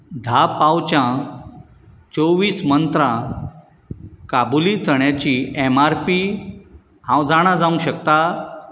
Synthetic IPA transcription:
d̪ʱapawt͡ɕjã | t͡soʋiːsmənt̪ɾã | kabulit͡səɳjat͡ɕiemaɾpi | ɦãwd͡zaɽ̃ad͡zaũɕəkt̪a

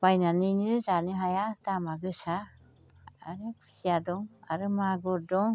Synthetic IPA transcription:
b̥ajnaninɯzanɯɦajatamaɡɯsa̰ː | ɾɯkʰi̥ijadɔŋaɾɯmaɡɔɾdɔŋ

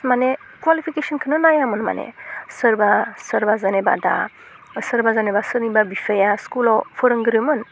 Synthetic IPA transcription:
mane | kwalifʰikesənkʰənənajamənma̰nḛsəɾbasəɾbazəneba̰d̪a̰ | səɾbazənebasəɾnibabifəjaskulɔfəɾəŋɡəɾimən

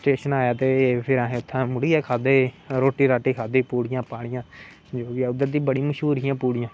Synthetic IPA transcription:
sʈeːʃənaːjaːt̪eːpʰɪɾaːɦẽːʊt̪ʰːãːmʊɽiːɛːkʰaːd̪eː | ɾoːʈiːɾaːʈiːkʰaːd̪eːpuːɽɪjãːpaːɽ̃ɪjãː | d͡ʒoːɡɪaːʊd̪ːəɾd̪ĩːbəɽiməʃɦuːɾijãːpuːɽijãː

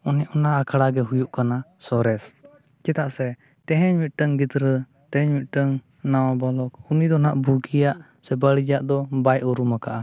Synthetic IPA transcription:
uniʔɔnaʔakʰaɽaɡɛɦujuʔkanasɔɾɛs | t͡ʃɛt̪aʔsɛ | t̪ɛɦɛɲmit̪̚ʈəŋɡit̪ɾə | t̪ɛɦɛɲmit̪̚ʈəŋ | nawabɔlɔk̚unid̪ɔnaʔbuɡijaʔ | sɛbaɽid͡ʒaʔd̪ɔbajʔuɾumakaʔa

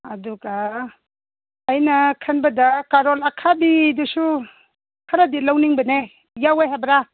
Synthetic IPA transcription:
aduɡa | jnakʰanbɐdakaɾɔlakʰabidusu | kʰaɾadilawniŋbɐne | jawajɦabɾa

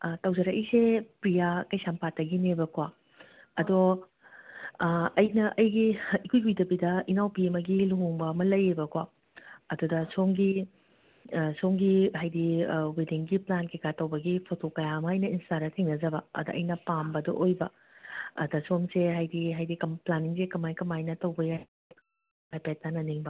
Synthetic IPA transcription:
tɐwzɐɾɐkisepɾijakɐjsampat̚ːɐɡinebɐkʰwa | ɐdo | ɐjnɐʔɐjɡiikʰujujdɐbidɐinawpiemɐɡiluŋoŋbɐɐmɐlɐjebɐkʰwa | ɐdudɐsomɡi | soŋɡiɦajdiwediŋɡiplankekatɐwbɐɡipʰotokɐjaɐmɐɐjnɐinstaɾɐtʰeŋnɐzɐbɐɐ̰doʔɐ̰jnɐpambɐdo̰ʔojbɐ | ɐ̰dɐsomseɦajdiɦajdikɐmplaniŋsekɐmajkɐmajnɐtɐwbɐja | hajpet̚tːanɐniŋbɐ

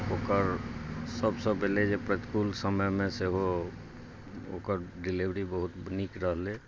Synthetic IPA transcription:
oːkəɾsəbsəbeled͡ʒepɾət̪kulsəməjmẽseɦo | o̰kəɾɖiliʋɾibəɦut̪nikɾəɦle

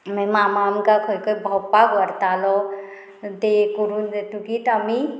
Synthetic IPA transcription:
memamamkakʰɔjkɔbʱɔpaɡɔɾt̪alɔ | t̪ekuɾund̪et̪ukit̪ami

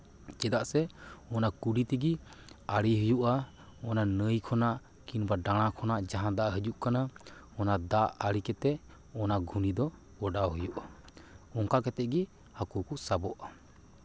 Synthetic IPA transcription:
t͡ʃɛd̪aʔsɛɔnakuɖit̪iɡiaɽiɦujuʔa | ɔnanəjkʰɔnaʔ | kinbaɖaɽ̃akʰɔnaʔd͡ʒaɦãd̪aʔɦəd͡ʒuʔkanaɔnad̪aʔaɽikɛt̪ɛ | ɔnaɡʱunid̪ɔ | ɔɖawɦəjuʔaɔŋkaʔkɛt̪ɛʔ̚ɡi | hakukusabɔʔa

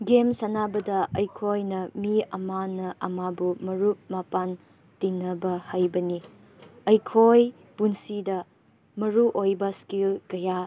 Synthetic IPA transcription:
ɡemsɐnabɐdɐʔɐjkʰojnɐmiɐmanɐʔɐmabumɐɾup̚mapan | tinːɐbɐhajbɐni | ɐjkʰoj | punsidɐ | mɐɾuʔojbɐskilkɐja

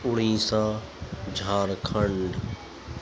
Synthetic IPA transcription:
ʊɽĩːsãː | d͡ʒʱaːɾkʰəɳɖ

